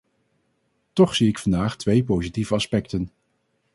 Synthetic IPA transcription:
tɔχsiɪkfɑndaːχtʋejp̬owzitivəɑspɛktən

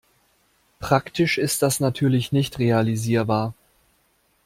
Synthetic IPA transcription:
pʁ̥aktɪʃɪstd̥asnatʰyːɐlɪçnɪçtʁealiziːɐbaːɐ

